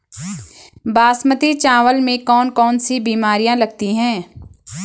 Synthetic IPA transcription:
baːsmət̪it͡ʃaːʋəlmẽkɔːnkɔːnsibiːmaːɾijãlɐɡt̪iɦɛ̃ː

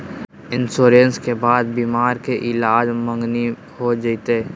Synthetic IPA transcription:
ɪnsoːɾeənskebaːd̪̚biːmaːɾkeʔɪlaːd͡ʒmə̃ŋɡni | hod͡ʒəɪt̪eː

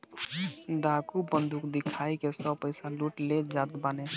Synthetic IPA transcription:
ɖakubənd̪ʱukd̪ikʰaikesəbpəɪsaluʈled͡ʒat̪bane

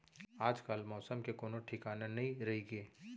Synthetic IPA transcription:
aːd͡ʒkaːlmɔːsəmkekoːnoʈʰɪkaːnanɐɦĩɾɐɦiɡeː

